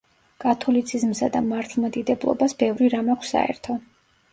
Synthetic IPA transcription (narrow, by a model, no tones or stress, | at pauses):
kʼat̪ʰɔlit̪sʰizmsad̪amaɾt̪ʰlˠmat̪ʼid̪ɛblˠɔ̰basbɛvɾiɾamɛχsa̰ɛ̰ɾt̪ʰɔ